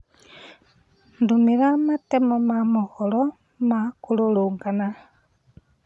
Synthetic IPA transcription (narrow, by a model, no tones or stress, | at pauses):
ndumiɾamatemomamuholo | makululuːŋɡana